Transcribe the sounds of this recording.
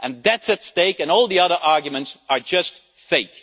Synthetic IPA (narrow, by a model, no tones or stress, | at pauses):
ʔɨ̃nðætsɨtsteɪkɨ̃nɔlˠðiʌðə˞ʔɑɹɡjɨmɨ̃ntsə˞d͡ʒʌst | feɪk